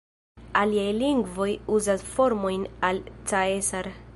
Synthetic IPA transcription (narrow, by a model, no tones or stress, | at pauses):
aliajliŋɡvo̞juzasfo̞ɾmo̞jnalt͡saesaɾ